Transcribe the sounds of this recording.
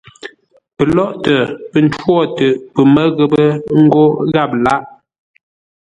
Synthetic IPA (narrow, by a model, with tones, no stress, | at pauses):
pə˨lɔ˦ʔtə˨pə˨n̩˦twɔ˦˨tə˨pə˨mə˦ɣə˨bə˦ŋ̩˦ɡo˦ɣa˦˨p̚la˦ʔ